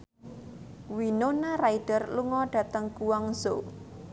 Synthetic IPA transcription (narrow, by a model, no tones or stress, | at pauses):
winonaɾaid̥ərluŋɔɖ̥ä̤t̪əŋkuwaŋzo